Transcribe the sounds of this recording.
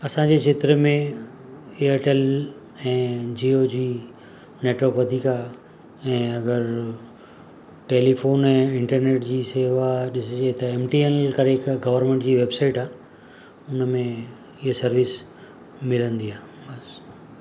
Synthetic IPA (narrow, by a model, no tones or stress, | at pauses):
ɐsãd͡ʑeːt͡ɕʰeːt̪ɾəmẽ | eəɾʈel | ɛ̃ːd͡ʑiːod͡ʑiː | neːʈʋəɾkʋɐd̪ʱiːka | ɛ̃ːɐɡəɾ | ʈeːlifʰoːnɛ̃ːɪ̃ɳʈəɾneːʈd͡ʑiːseːʋaɗɪsd͡ʑet̪ɐeːmʈienlkɐɾeɪkɡɐʋəɾnmẽɳʈd͡ʑiːʋeːbsaːɪʈaː | ʊnəmẽ | ɪɦəsɐɾʋis | mɪlə̃nd̪iaː | bɐs